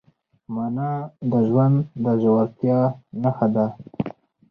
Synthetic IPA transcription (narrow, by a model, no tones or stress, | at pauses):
manɑd̪əʒwand̪ːəʒawaɾt̪jɑnaxad̪a